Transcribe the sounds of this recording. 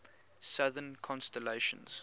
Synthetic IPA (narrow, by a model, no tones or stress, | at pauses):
saðənkʰɔ̃nstɛleʃə̰̃nz̥